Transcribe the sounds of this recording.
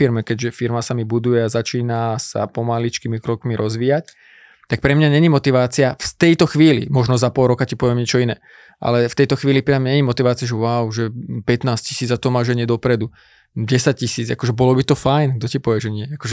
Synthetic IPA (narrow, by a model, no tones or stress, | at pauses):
iɾmɛkɛɟʒɛfiɾmasamibud̪ujɛazat͡ʃiːnasa̰pɔmalit͡ʃkimikɾɔkmiɾʔɔzʋiːjac̚ | t̪ak̚pɾɛmɲaɲɛɲimɔt̪iʋaːt͡siaft̪ɛjt̪ɔxʋiːlḭmɔʒnɔzapɔlˠɾɔkacipɔʋɪɛmɲɛt͡ʃɔinɛː | ʔa̰lɛft̪ɛjt̪ɔxʋiːlipɾɛamɲɛɲimɔt̪iʋaːt͡siaʒɛwaʊʒɛpɛt̪naːscisiːd͡zat̪ɔmaːʒɛɲɪɛd̪ɔpɾɛd̪u | ɟɛsac̚cisiːd͡za̰kɔʒɛbɔlɔbit̪ɔfajnɡ̚d̪ɔcipɔʋɛʒɛɲɪɛakɔʒɛ